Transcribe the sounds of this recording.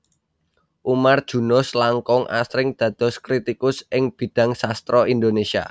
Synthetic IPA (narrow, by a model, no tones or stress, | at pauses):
ʔumard̥ʒ̥ṳnʊslaŋkɔŋʔa̰sɾɪŋd̪̥ä̤d̪̥ɔ̤skɾit̪ikʊsɪŋb̥i̤d̪̥ä̤ŋsast̪ɾɔind̪onesia̰